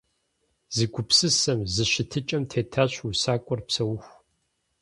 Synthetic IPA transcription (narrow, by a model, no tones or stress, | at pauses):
zɨɡʷʊpsɨsɐmzɨɕɪtʰɨt͡ʃʼɐmtʰeːtʰaɕusaːkʷʼɔrpsɐwʊxʷ